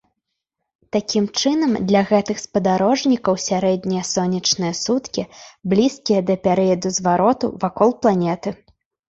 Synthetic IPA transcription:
t̪akʲimt͡ʂɨnɐmd̪lʲɐɣɛt̪ɨxspɐd̪aɾɔʐnʲikɐwsʲaɾɛd̪ʲnʲijɐsɔnʲɐt͡ʂnɨjɐsut̪kʲiblʲiskʲijɐd̪ɐpʲɛɾɨjɐd̪uzvaɾɔt̪ṵvakɔlˠplˠanʲɛt̪ɨ

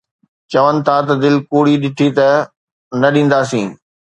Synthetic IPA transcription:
t͡ɕɐʋənɪ̆t̪ʰat̪ɐd̪ɪlkoːɽiɗɪʈʰit̪ɐ | nɐɗĩːn̆d̪aːsĩː

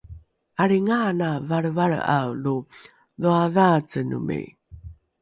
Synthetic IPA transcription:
aɾiŋanavaɾvaɾ̰a̰wlu | ðuaðat͡sənṵmḛj

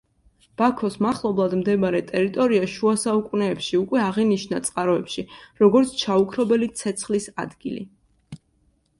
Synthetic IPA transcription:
b̥akʰɔsmaχlˠɔblˠad̪md̪ɛbaɾɛt̪ʼɛɾit̪ʼɔɾiaʃuasaukʼunɛːpʃiukʼwɛaʁiniʃnat̪sʼqʼaɾɔɛpʃiɾɔɡɔɾt̪sʰt͡ʃʰaukʰɾɔbɛlit̪sʰɛt̪sʰχlisa̰d̪ɡḭlḭ

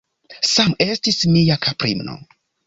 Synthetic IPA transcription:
same̞stismiakʰapɾḭmno̰

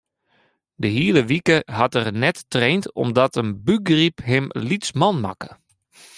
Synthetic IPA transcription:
dəɦiːləʋikəɦatərnɛtːreːntɔ̰mdɔtənbyɡripɦɪmlitt͡smɔnma̰kə̥

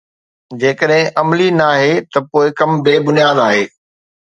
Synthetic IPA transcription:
d͡ʑeːkəɗɦɪ̃ʔɐmlinaːɦet̪ɐpoːɪkɐmbeːbʊnjaːd̪aːɦeː

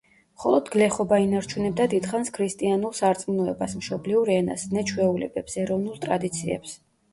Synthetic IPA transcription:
mχɔlˠɔd̪ɡlɛχɔbainaɾt͡ʃʰunɛbd̪ad̪id̪̥χanskʰɾist̪ʼianulˠsaɾt̪sʼmnɔɛbasmʃɔbliuɾɛna̰snɛt͡ʃʰwɛulɛ̰bɛpsɛɾɔvnulˠt̪ʼɾad̪it̪sʰiɛ̰ps

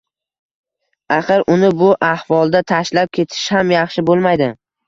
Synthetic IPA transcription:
aχɨɾʔʊnɪbʊʔahvɒlˠd̪at̪ʰaʃlap̚kʲʰe̞t̪ʰɪ̥ʃhamjɑχʃɪbolˠmajd̪ɪ

